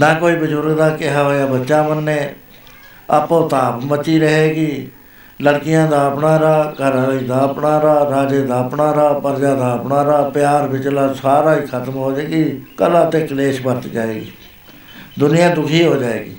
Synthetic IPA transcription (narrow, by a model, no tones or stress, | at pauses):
naːkoːiːbəd͡ʒʊɾɡd̪aːkɪɦaːɦoːjaːbətːʃaːmənːẽː | ə̰põːt̪aːpmət͡ʃiːɾəɦeːɡiː | ləɽkɪjãːd̪aːəpnaːɾaːɡəɾaːiːd̪aːəpnaːɾaːɾaːd͡ʒeːd̪aːəpɳaːɾaːpəɾd͡ʒaːd̪aːəpnaːɾaːpɪjaːɾbɪt͡ʃlaːsaːɾaːiːkʰət̪mɦoːd͡ʒeːɡiːkəlãːt̪ẽːkleːʃpəɾt̪d͡ʒaːeːɡiː | d̪ʊnɪjãːd̪ʊkʰiːɦoːd͡ʒaːḛːɡḭː